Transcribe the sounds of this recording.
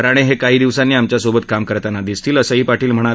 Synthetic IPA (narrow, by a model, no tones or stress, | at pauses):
ɾaɽ̃eɦekaɦiːd̪iʋsanːiːamt͡ɕjasobət̪kamkəɾt̪anad̪ist̪iːləsəɦiːpaʈʰiːlm̤əɽ̃a